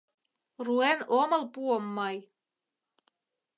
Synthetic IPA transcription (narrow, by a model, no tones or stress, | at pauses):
ruɛenomɤ̆lpuomːɑj